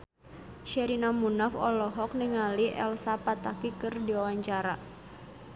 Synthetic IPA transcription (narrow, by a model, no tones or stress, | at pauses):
ʃɛɾinamunafɔlɔɦɔk̚niŋaliʔɛ̰lsapat̪akikɨrdiwawaɲt͡ʃaɾa